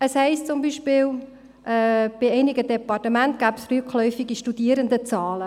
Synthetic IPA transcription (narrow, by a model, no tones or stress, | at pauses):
əshɛɪstt͡sʊmbiːʃpɪːl | ʔɛːb̥ɪɛɪnɪɡədɛpɑrtəmæntɡ̥æːbsryːkχlœʏfiɡiʃtud̥iːɾənd̪ət͡sɑːlə